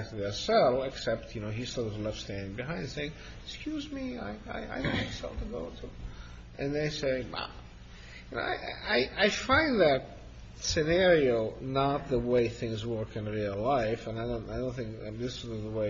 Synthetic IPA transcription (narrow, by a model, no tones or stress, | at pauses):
k̚tðəsɛlˠɨksɛp̚tʰjɨnoʊɦistɑɾʌvlɛftstæ̃ndɪ̃ŋbɨɦãɪ̃nd̥seɪɪ̃ŋ | ɪkskʰjʉzmia̰ɪa̰ɪa̰ɪd̃asɛ̰lˠtʰɨɡoʊɾʰu | ʔɨ̃nðeɪseɪbʌ̰ | jjɨno̰ʊa̰ɪʔa̰ɪʔaɪʔaɪfãɪ̃nd̪ðɨt̚ | sɨnɛɹioʊnət̪̚ðəweɪθɪ̃ŋzwɜ˞kɨ̃nɹilˠlaɪfɨ̃naɪdõʊ̃naɪdõʊ̃nθɪ̃ŋkðɪsðəweɪ